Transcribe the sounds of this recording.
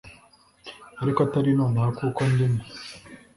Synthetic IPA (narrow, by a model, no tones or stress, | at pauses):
aɾikat̪aɾinonaːkuːkond̪ini